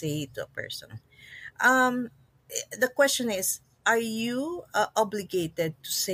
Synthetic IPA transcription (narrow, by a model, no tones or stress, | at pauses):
eɪt̪uɐ̰pɛ̰ɹsɔ̰̃n | ʔɐm | d̪ɐkwɛst͡ʃɔ̃nɪs | ʔaɹjuʔɔblɪɡeɪt̪ɛd̪̚t̪use